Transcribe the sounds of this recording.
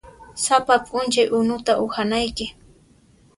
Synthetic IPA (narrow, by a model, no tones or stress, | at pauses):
sapapʼʊnt͡ʃajʔʊnʊt̪aʔʊhanajkɪ